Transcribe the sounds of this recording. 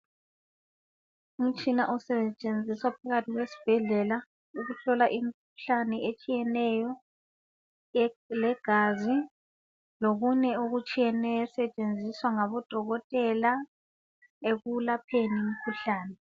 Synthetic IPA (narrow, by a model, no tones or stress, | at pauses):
um̩t͡ʃʼinaʔusɛt͡ʃʼend͡zʱiswapʰaɣatʰiɣwesi̥b̥ʱɛɮɛla | uɣuɬɔlaʔim̩kʰu̥ɬanɛʔet͡ʃʼijɛnɛjɔ | lɛɡ̥ʱazi | loɣunɛoɣut͡ʃʼijɛnɛjɔsɛt͡ʃʼend͡zʱiswaŋaβɔd̥ʱɔɣɔtʼɛla | eɣulapʰenim̩kʰuɬaːnɛ